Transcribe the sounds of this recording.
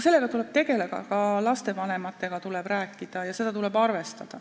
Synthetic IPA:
se̞lːe̞ɡ̥ɑt̪ule̞b̥t̪e̞ɡe̞leɡɑ̰kɑlɑst̪e̞vɑne̞mɑt̪ːˑe̞ɡ̥ɑt̪ulɛb̥ræːkːˑid̪̥ɑjɑse̞d̪ɑt̪ule̞bɑrve̞st̪ɑd̪̥ɑ

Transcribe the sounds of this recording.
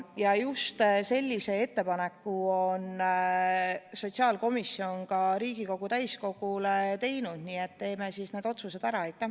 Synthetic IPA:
jɑjust̪se̞lʲːise̞e̞t̪ːe̞pɑne̞kːuon | so̞t̪ʲsiɑːlko̞misːjo̞nkɑɾiːɡ̥iko̞ɡ̥ut̪æjsko̞ɡ̥ulet̪e̞jnud̪̥niːe̞t̪ːe̞ːme̞sisne̞ːd̪o̞t̪suse̞d̪æɾɑejt̪ːˑæ

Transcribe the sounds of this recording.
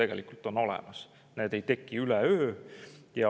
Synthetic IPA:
e̞ɡ̥e̞̰likːˑult̪ˑono̞lɛ̰mɑs | ne̞ːd̪e̞jt̪e̞kːiylɛøː | jɑ

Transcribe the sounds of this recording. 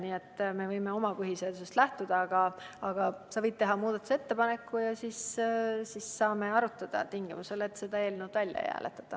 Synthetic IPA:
niːe̞t̪ˑːme̞vɤjme̞o̞mɑpɯɦiseɑd̪̥usest̪læht̪ud̪̥ɑɑɡ̥ɑːɡ̥ɑsɑvɤjd̪̚t̪e̞ɦɑmuːd̪̥ɑt̪use̞t̪ːepɑne̞kːˑujɑsissisːɑːme̞ɑɾut̪ːˑɑd̪̥ɑ̰t̪iŋɡ̥imuse̞let̪se̞d̪̥ɑeːlnuwd̪ælʲjɑ̰jæ̰ːlʔḛt̪ːˑɑ̥t̪ːˑɑ

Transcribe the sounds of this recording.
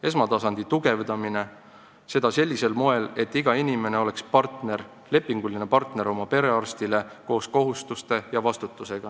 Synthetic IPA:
e̞smɑt̪ɑsɑnd̪̥it̪uɡ̥e̞vd̪ɑmine̞ | se̞d̪̥ɑse̞lʲːise̞lmoe̞le̞t̪ːˑiɡ̥ɑinime̞ne̞o̞lekspɑrt̪ne̞ɾ | le̞pːiŋɡ̥ulinepɑrt̪ne̞ɾo̞mɑpe̞ɾe̞ɑrst̪ile̞ko̞ːsko̞ɦust̪ust̪e̞jɑvɑst̪ut̪ːˑuse̞ɡ̥ɑ

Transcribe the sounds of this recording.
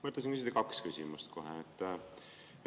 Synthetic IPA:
mət̪lesinkysit̪ekɑkskysʲimust̪kʰo̞ɦɛet̪ˑː

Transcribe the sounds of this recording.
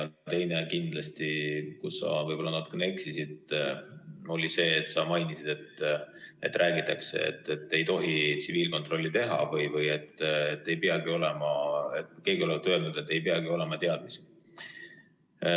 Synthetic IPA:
t̪e̞jnekind̪̥lɑst̪ikussɑ̰vɤjbo̞lːɑnɑt̪ːˑu̥keneksisid̪ | o̞lʲise̞ːt̪sɑmɑjnisid̪̥e̞t̪ː | e̞t̪ːˑrʔæːɡ̥it̪ːˑɑksḛḛt̪ːˑet̪ːˑe̞jt̪o̞ɦit̪siviːlko̞nt̪ˑro̞lːit̪e̞ɦɑ̰vɯjvɯje̞t̪ːet̪ːe̞jpeɑɡ̥io̞lɛmɑeke̞ːɡio̞lekt̪ːølnud̪̥e̞t̪ːˑe̞jpeɑɡio̞le̞mɑt̪e̞ɑd̪̥mis

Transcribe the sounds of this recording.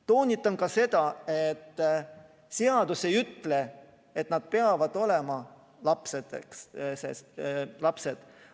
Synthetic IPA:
t̪o̞ːnʲit̪ːˑɑnkɑse̞d̪̥ɑet̪ː | seɑd̪̥use̞jyt̪ːˑle̞ | et̪nɑd̪̥̚pe̞ɑvɑd̪̥o̞le̞mɑ | lɑpset̪ekssḛslɑpse̞d̪̥

